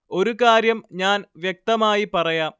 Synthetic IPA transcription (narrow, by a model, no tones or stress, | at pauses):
o̞ɾukaːɾjɐmɲaːnʋjek̚t̪ɐmaːjipɐrɐjaːm